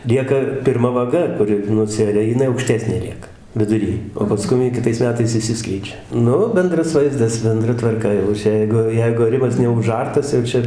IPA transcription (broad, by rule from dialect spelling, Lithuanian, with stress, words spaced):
ˈlʲiɛkɐ pʲɪrˈmɐ ʋɐˈɡɐ ˈkʊrʲɪ nʊˈsʲæːrʲɛ jɪˈnɐɪ ɐʊkˈʃʲtʲæːsʲnʲeː ˈlʲiɛkɐ ʋʲɪdʊˈrʲiː oː pɐˈskʊm jɪ kʲɪˈtɐɪs mʲɛˈtɐɪs ɪʃʲˈsʲɪsklʲɛɪd͡ʒʲɛ ˈnʊ ˈbʲɛndrɐs ˈʋɐɪzdɐs bʲɛnˈdrɐ tʋɐrˈkɐ jɛʊ ˈt͡ʃʲɛ ˈjɛɪɡʊ ˈjɛɪɡʊ ɐˈrʲɪmɐs nʲɛʊˈʒɐrtɐs jɛʊ ˈt͡ʃʲɛ